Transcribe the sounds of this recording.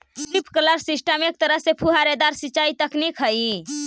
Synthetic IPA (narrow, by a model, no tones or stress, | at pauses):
t̪ipkələɾsɪsʈəmek̚t̪əɾəɦsepʰuɦaɾed̪aɾsit͡ʃːaːit̪əknikɦəi